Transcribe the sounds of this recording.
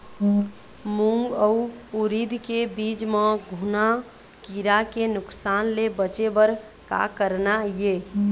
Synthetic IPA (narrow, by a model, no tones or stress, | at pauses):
muŋɡəu | uɾid̪ʱkebid͡ʒmeɡʱuna | kiɾakenʊksanlebət͡ʃebəɾ | ka̰kəɾnaje